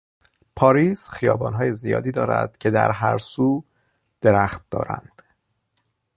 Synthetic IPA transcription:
pʰɒːɾiːsxijɒːbɒːnɦɒːje̞zijɒ̰ːd̪iːd̪ɒːɾæ̰d̪̥cʰe̞d̪æ̰ɾɦæɾsuː | d̪̥eɾæːxt̪̚d̪̥ɒ̰ːɾæ̰nd̪̥

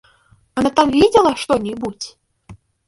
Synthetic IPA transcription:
anat̪amvʲed͡zʲɛlˠɐʂt̪ɔnʲibut͡sʲ

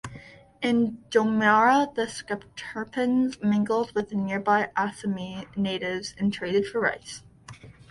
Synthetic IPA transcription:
ɪ̃ndomɑɹəðɨskəp̚tʰɜ˞pɨ̃nzmɪ̃ŋɡl̩ˠd̚wɨðnɪɹbaɪʔæsɨmineɪɾɪvz̥ɨ̃ntʰɹ̥eɪɾɨd̥fə˞ɹa̰ɪs

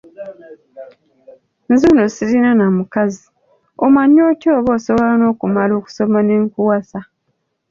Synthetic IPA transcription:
nzunosiɾinanamukazi | omaɲːoːcoːβo̞ːsoβolano̞ːkumalo̞ːku̥so̞maneŋkuwasa

